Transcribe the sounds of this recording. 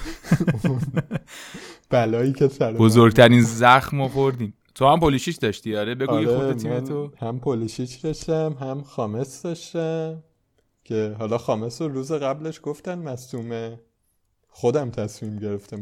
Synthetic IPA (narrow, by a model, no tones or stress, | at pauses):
b̥ælɒːjiːcʰesæɾbozoɾɡ̚t̪ʰæɾiːnzæxmovoɾd̪iːn | t̪ʰohæmpoluʃiʃd̪ɒʃt̪iːɒːɾebe̞ɡujiɾxeoet̪imænt̪ʰohæmpʰoliːʃit͡ʃd̪ɒʃt̪æmɦæmxɒːmesd̪ɒʃt̪æ | cʰe̞ɦɒːlɒːxɒːmesoɾuːzeɣæbleʃɡ̥oft̪ænmæsuːme | xod̪æmt̪ʰæsmiːmɟe̞ɾe̞ft̪æm